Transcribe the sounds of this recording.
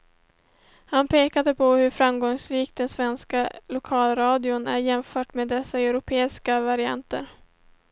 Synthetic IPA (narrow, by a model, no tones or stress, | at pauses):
hanpʰeːkad̪əpʰɔhɵɾfɾamɡɔŋsɾiːk̚t̪d̪ɛnsvɛnskalʊkʰɑːlɾɑːd̪ɪʊnæ̰ɾjɛmfœːʈmeːd̪ːɛsːaɛʉɾʊpʰeːɪskavaɾɪa̰nt̪ə̰ɾ